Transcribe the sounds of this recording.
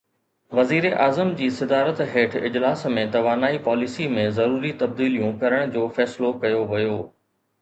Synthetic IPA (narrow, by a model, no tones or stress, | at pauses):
ʋɐziːɾeʔaːzəmd͡ʑiːsɪd̪aːɾət̪ɦeːʈʰɪ̰d͡ʑlaːsmẽt̪ɐʋaːnaːipaːlisimẽzɐɾuːɾit̪ɐb̚d̪iːlijũkɐɾəɽ̃d͡ʑoːfɛːslokɐjoʋɐjoː